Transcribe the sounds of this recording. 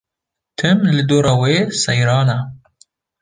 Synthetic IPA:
t̪ʰɨmlɨd̪oːɾaweːsajɾɑːna

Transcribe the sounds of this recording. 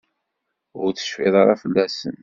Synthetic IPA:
ʊɾt͡sə̥ʃfɪðˤɑɾˤɑfəlːæsə̰n

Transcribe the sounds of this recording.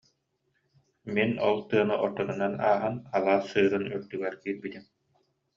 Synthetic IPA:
minɔ̰lˠt̪ɯɐnɯʔɔɾt̪ːɔnɯnana̰ːɦanalˠaːsːɯːɾɯnyɾt̪yɡɛɾkiːɾbit̪im

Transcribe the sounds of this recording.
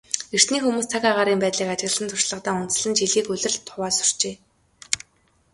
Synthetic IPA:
er̥t̪niːxumuːst͡sʰakaʁaːɾiːmpæːt̪ɮiːkat͡ɕɪ̆ɣ̆ə̆ɮɮə̆nt̪ʰʊrʃɮə̆qt̪aːʊnt̪t͡ssɮə̆nt͡ɕiɮɣiːkɵɮʲɘ̆rɮt̪ʰːʊwaːsʊ̥r̥t͡ɕeː

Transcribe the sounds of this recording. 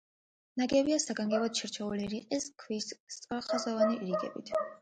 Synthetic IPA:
naɡɛbiasaɡaŋɡɛbɔt̪ʃiɾt͡ʃʰɛuliɾiqʼiskʰwisst̪sʼɾaχazɔvaniʔɾiɡɛ̰bit̪ʰ

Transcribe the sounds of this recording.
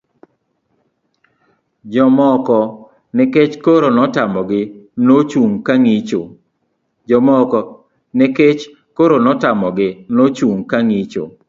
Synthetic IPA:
d͡ʒɔmɔkɔ | nɛket͡ʃkoɾonɔtamɔɡɪnot͡ʃuŋkaŋit͡ʃo | d͡ʒɔmɔkɔ | neket͡ʃ | koɾonɔtamɔɡɪnot͡ʃuŋkaŋit͡ʃo̰

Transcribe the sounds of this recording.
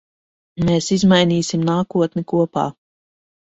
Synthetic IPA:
meːsizmajniːsimnaːkuɔt̪nɛkuɔpa̰ː

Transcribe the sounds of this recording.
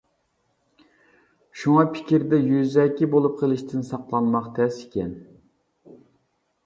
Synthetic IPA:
ʃuŋɑpʰɪ̥kʲiɾd̪ɛjyzɛkʲːibolˠup̚qʰəlˠɪʃt̪ʰɪnsɑqlˠɑnmɑqt̪ʰɛsɪkʲɛn

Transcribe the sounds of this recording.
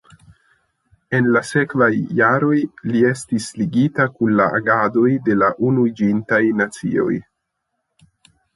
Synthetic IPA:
e̞nlase̞kvajːaɾo̞jlie̞stisliɡitakunlaʔa̰ɡado̞jde̞laʔunuid͡ʒintajnat͡sḭo̞̰j

